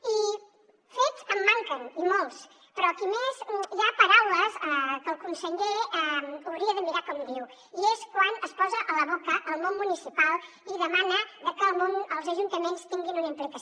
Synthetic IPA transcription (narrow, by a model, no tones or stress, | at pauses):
i | fetsəmːaŋkənimolˠs | pɾɔkimezʒapəɾawləsɛkəlˠkunsəʎeɛməwɾiəðəmiɾakɔmd̪iw | ieskwanəspɔzəʔələβokəʔəlˠmonmunisipalˠ | iðəmanəðəkəːlˠmonəlˠzəʒunt̪əmenst̪iŋɡinunəmpɾɛt̪əs